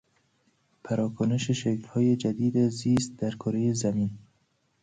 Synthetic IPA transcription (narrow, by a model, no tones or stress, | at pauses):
pʰæɾɒːkʰoneʃeʃeklhɒːjed͡ʒæd̪iːd̪æziːst̪̚d̪æɾkʰoɾejezæmiːn